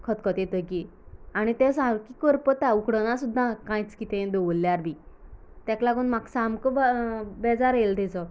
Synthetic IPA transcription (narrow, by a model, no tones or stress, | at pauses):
kʰət̪̚kɔt̪et̪əki | aɽ̃it̪ɛ̃sãwkikəɾpət̪aukɽənasud̪ʱːãkãjt͡skit̪ɛ̃d̪oʋolːjaɾbi | t̪ɛ̃klaɡunmaksamkəbbɛd͡zaɾeld̪ɛt͡sɔ